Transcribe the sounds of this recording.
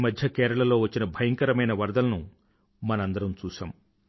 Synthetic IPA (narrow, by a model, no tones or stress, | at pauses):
mɐd̪ʱjɐkɛːɾɐɭɐlo̞ːʋɐt͡ʃːinɐbʱɐjɐŋkɐɾɐmɐjnɐʋɐɾd̪ɐlɐnu | mɐnɐɐnd̪ɐɾɐmt͡ʃuːʃa̰ːm